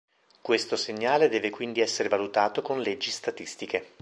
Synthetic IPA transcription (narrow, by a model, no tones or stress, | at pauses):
kwest̪oseɲːaːled̪ɛːvekwind̪iɛsːeɾevalut̪aːt̪okonled͡ʒːist̪at̪ist̪ike